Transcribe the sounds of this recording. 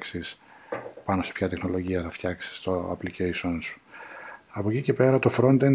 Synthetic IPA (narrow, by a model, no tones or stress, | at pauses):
ksis | pɐno̞sepçɐt̪exno̞lo̞ʝiɐθɐft̪çɐksi̥st̪o̞ɐ̰plicejsonsu̥ | ɐpocice̞pe̞ɾɐt̪o̞fɾo̞nd̪en